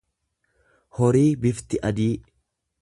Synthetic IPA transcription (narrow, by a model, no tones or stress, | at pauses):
hɔɾiːbɪft̪ɪʔɐd̪iː